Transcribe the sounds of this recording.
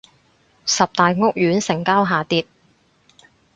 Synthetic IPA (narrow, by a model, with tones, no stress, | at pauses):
sɐ˨p̚t̪aː˨jŋʊ˥k̚jyː˨˥nsɪ˨˩ŋkaː˥wɦaː˨t̪iː˧t̚